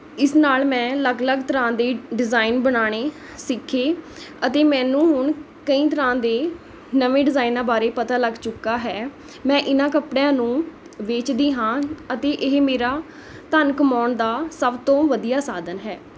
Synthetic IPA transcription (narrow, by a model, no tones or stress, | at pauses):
ɪsnaːlmɛ̃ːləɡləɡt̪əɾãːd̪eːɖɪzaːɪnbəɳaːɽ̃eː | sɪkʰːeːət̪eːmɛ̃ːnũːɦʊɳ | kəĩːt̪̬əɾãːd̪eː | nəʋẽːɖɪzaːɪnãːbaːɾeːpət̪aːləɡt͡ʃʊkːaːɦɛː | mɛ̃ːʔɪnãːkəpɽjãːnũː | ʋeːt͡ʃd̪iːɦãːət̪eːʔɪɦmeːɾaː | t̪ənkəmaːɳd̪aːsəbt̪õːʋəd̪ijaːsaːd̪ənɦɛː